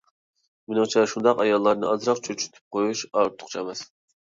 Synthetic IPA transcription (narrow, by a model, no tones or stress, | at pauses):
mɪnɨŋt͡ʃʰɛʃund̪ɑqɑjɑlˠːɑɾnɨʔɑzɾɑqt͡ʃʰøt͡ʃʰy̥t̪ʰy̥p̚qʰojuʃɑɾt̪ʰʊ̥qt͡ʃʰɑmɛs